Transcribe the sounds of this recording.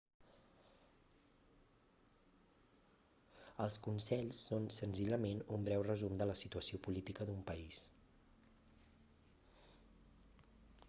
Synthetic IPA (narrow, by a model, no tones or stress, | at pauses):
əlˠskunsɛʎsːonsənziʎəmenumbɾɛwrəzumd̪ələsit̪uəsiopulit̪ikəd̪umpəis